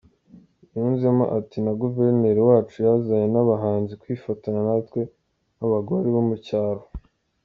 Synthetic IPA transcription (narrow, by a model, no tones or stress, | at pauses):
juːnzemo̰ʔatinaɡuve̞ɾne̞ɾiwaːt͡ʃujazajenaβaɦaːnzikwiːfataɲanatkwe̞ | naβaɡoɾeβomucaːɾo